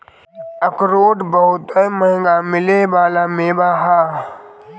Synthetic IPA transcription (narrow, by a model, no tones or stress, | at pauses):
əkɾoːʈbəɦʊt̪əməɦŋɡamɪlebaːlameːbaːɦaː